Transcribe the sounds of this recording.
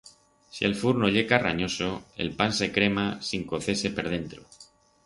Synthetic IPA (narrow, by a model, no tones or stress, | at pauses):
sie̞lfuɾno̞ʎe̞kara̰ɲo̞soe̞̰lpanse̞kɾe̞masiŋko̞θe̞se̞peɾð̞e̞nt̪ɾo̰